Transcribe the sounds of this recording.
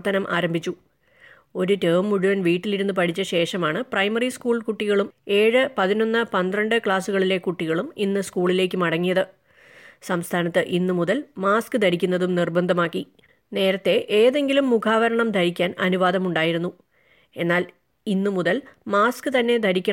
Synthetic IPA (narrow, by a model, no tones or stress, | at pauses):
t̪ːɐnɐmʔa̰ːɾɐmbʱit͡ɕːu | o̞ɾuteːmːuɻuʋɐnʋiːʈːiliɾunːɨpɐʈʰit͡ɕːɐɕe̞ːʂɐmaːɳɨprɐjmɐriskuːɭkuʈːiɣɐɭume̞ːɻɨpɐðino̞nːɨpɐnd̪rɐɳɖɨkɭaːsuɣɐɭile̞kuʈːiɣɐɭuminːɨskuːɭile̞ːk̬ʲːumɐɽɐŋːijɐðɨ | sɐmst̪ʰaːnɐt̪ːɨʔinːɨmuðɐlmaːskɨd̪ʱɐɾikʲːunːɐðumnirbɐnd̪ʱɐmaːkːi | ne̞ːɾɐt̪ːe̞ʔeːðe̞ŋɡilumːukʰaːʋɐɾɐɳɐmd̪ʱɐɾikʲːaːnʔɐnuʋaːd̪ɐmuɳɖaːjiɾunːu | e̞nːaːl | inːɨmuðɐlmaːskɨt̪ɐnːe̞d̪ʱɐɾikʲːɐ